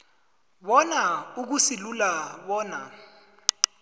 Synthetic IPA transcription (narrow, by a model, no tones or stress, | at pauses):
ɓɔnauk̬usilulaɓɔːna